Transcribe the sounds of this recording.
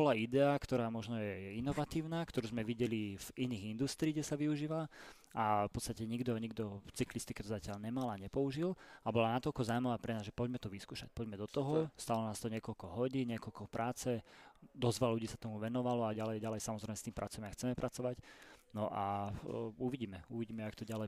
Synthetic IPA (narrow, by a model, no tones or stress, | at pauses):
bɔlaid̪ɛakt̪ɔɾaːmɔʒnɔjɛinɔʋat̪iːʊnaːkt̪ɔɾuːzmɛʋiɟɛliviniːɣind̪ust̪ɾiːɡɟɛsaʋiuʒiːʋa | apɔt͡st̪acɛɲiɡd̪ɔɲiɡd̪ɔft͡siklist̪ikɛt̪ɔzacɪaʎɲɛmalaɲɛpɔuʒilabɔlanat̪ɔlkɔzaːmaʋaːpɾɛnaːzʒɛpɔɟmɛt̪ɔʋiskuːʃa̰c̚pɔɟmɛd̪ɔt̪ɔɦɔst̪alɔnaːst̪ɔɲɪɛkɔlkɔɦɔɟiːnɲɪɛkɔlkɔpɾʔaːt͡sɛd̪ɔzʋalluɟiːsat̪ɔmuʋɛnɔʋalɔaɟalɛjɟalɛjsamɔzɾɛɪmɛst̪iːmpɾʔa̰t͡sɔamaxt͡sɛmɛpɾʔat͡sɔʋacnɔʔa | uʋiɟiːmɛuʋiɟiːmɛakt̪ɔɟalɛ